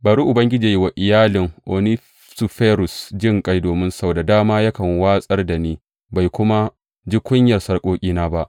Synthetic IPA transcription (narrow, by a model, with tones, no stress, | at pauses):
baː˨ɾu˦ʔʊ˨bɐ˦ŋɡʲɪ˦d͡ʒiː˨jwa˨ʔɪ˨jaː˦lɪ˨ŋʔo˨ni˦ | su˨ɸeː˦ɾʊ˨sd͡ʒɪ˦˨ŋkʼa˦jdoː˨mɪ˦nsda˨daː˦maː˦jɐ˦kɐ˨ŋwaː˦sʼɐ˦rda˨niː˦ | ba˨jkʷʊ˦ma˦ | d͡ʒi˦kʷʊ˦ɲjɐ˨rsɐ˦rkʷʼoː˦kʲʼiː˦naː˦ba˦ʔ